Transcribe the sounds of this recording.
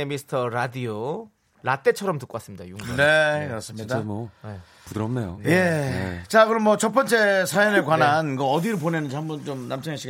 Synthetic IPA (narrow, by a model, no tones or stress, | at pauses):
emisʰɯ̥tʰʌɾadio | lat͈e̞t͡ɕʰʌɾʌmtɯk͈okasɯmɲid̥a̰juŋnekɯɾʌs͈ɯidaemoe | pudɯɾʌmnejojet͡ɕakɯɾʌmːwʌt͡ɕʌp͈ʌnt͡ɕ͈e̞sʰajʌnɯɭkwananɡʌʌdiɾop̬onenɯnd͡ʑihambʌnt͡ɕomnamt͡ɕʰɯŋeɕʰiɡ